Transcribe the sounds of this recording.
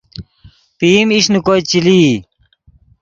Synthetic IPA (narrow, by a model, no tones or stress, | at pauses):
pimiɕnukojt͡ɕili